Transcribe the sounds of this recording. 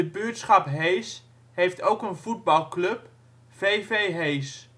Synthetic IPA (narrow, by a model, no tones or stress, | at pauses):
əbytsχɑpɦejs | ɦejftowkənvud̚bɑlˠklɵp | v̥ejvejɦejs